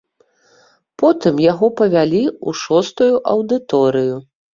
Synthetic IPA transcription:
pɔt̪ɨmjaɣɔpɐvʲalʲiuʂɔst̪ujuʔɐwd̪ɨt̪ɔɾɨju

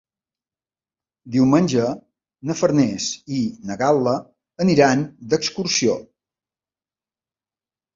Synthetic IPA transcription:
d̪iwmənʲʒə | nəfəɾnɛsinəɣalˠə | əniɾand̪əkskuɾsio

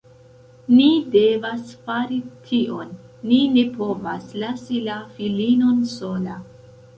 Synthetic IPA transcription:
nide̞vasfaɾitʰiʔo̞nː | ine̞po̞vaslasilafilino̞nso̞la

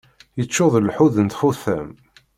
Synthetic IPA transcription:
jət͡ʃːʊðˤlħuðənt̪xuθæ̰m

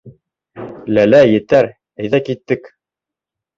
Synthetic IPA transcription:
lælæjɘ̆t̪æɾ | æ̆jðækit̪ːɘk

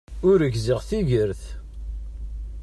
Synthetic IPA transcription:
ʊɾəʝziʁθiʝəɾθ

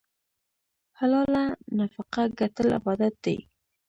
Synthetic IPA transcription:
halɑlanafaqaɡat̪əlɪ̰bɑd̪at̪̚d̪ḛj

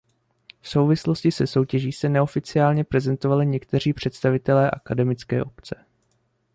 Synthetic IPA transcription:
fso̞wvɪslo̞scɪsɛso̞wcɛʒiːsɛnɛo̞fɪt͡sɪaːlɲɛpɾɛzɛnt̪o̞valɪɲɛkt̪ɛr̝iːpr̝̥ɛt̪st̪avɪt̪ɛlɛːʔakadɛmɪt͡skɛ̰ːʔo̞pt͡sɛ̥

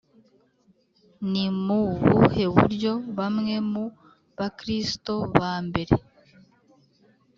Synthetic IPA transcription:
nimuβṵhe̞βṵɾjo̞βamŋe̞mu | βakɾisto̞βaːmbe̞ɾḛ

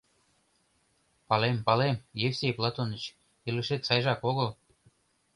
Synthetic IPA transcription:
pɑlempɑlemjefsʲejplˠɑt̪onət͡ɕ | ilɘʃet̪sɑjʒɑkoɣəl

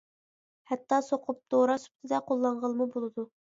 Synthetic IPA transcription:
hɛt̪ːɑsoqʰʊp̚d̪oɾɑsu̥p̚t̪ʰɪd̪ɛqʰolˠːɑɴʁəlˠmubolˠɨd̪u

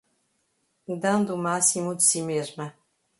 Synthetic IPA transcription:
d̪ɐ̃nd̪umasimud̪ɨsimeʒmɐ

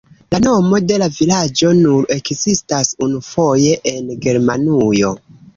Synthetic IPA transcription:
lano̞mo̞de̞lavilad͡ʒo̞nuɾe̞kzistasunufo̞je̞ʔenɡe̞ɾmanujo̞

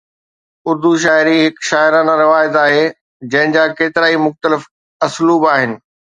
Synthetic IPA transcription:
ʊɾd̪uʃ̬aːɪɾiɦɪkʃaːɪɾaːnaɾɪʋaːjət̪aːɦe | d͡ʑɐ̃ɦɪ̃d͡ʑaːkeːt̪ɪɾaːimʊxt̪əlɪf | ɐsluːbaːɦɪnɪ̆

